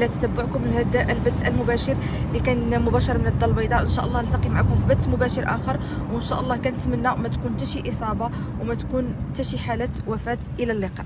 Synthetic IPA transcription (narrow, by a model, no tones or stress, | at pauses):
læt̪æ̥t̪əbːʊʕkʊməlhæd̪æʔəlbət̪ːʔəlmʊbæʃəɾlikænmʊbæʃɑɾˤmənəd̪ːɑlbɑjd̪ɑʔənʃæʔəlˤːɑhəlt̪ɑqimaʕakʊmfibət̪ːmʊbæʃəɾʔæ̰xəɾˤ | wənʃæʔəlˤːɑhkænət̪mənːæwmæt̪kunt̪æʃiʔəsˤɑbɑ | wmæt̪kunt̪æʃiħalæt̪wæfæt̪ʔəlælːiqɑʔ